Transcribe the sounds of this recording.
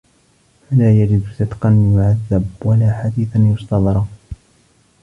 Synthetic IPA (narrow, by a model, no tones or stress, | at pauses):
falaːjad͡ʒɪb̪sɪd̪qɑnjʊʕaðːɪbwalaːħad̪iːθanjʊst̪ɑðˤɾˤ